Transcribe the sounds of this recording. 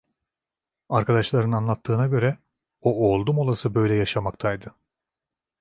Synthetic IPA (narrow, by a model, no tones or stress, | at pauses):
aɾkʰad̪aʃlˠaɾɯnanlˠat̪ʰːɯːnaɟø̞ɾɛ | ooːlˠd̪umo̞lˠasɯbø̞jlʲɛjaʃamak̚t̪ʰajd̪ɯ